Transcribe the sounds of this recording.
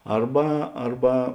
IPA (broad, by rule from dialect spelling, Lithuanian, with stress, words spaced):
ˈɐrbɐ ˈɐrbɐ